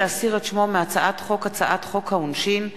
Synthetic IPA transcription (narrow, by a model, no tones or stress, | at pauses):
easiʁetʃmomeat͡saʔatχo̞kat͡saʔatχo̞khaunʃin